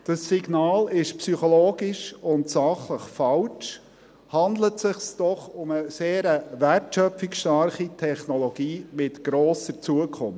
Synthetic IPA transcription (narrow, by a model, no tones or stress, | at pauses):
d̥ɑsːiɡnɑːlɪʃpsyχɔloːɡɪʃʊntsɑχləχfɑlt͡ʃ | hɑnd̪lətsɪχsd̥ɔχʊməseːɾəværtʃœpfɪkʃtɑɾχitʰɛχnɔlɔɡ̥iːmɪtɡ̥ɾoːsəɾt͡suəkʰʊm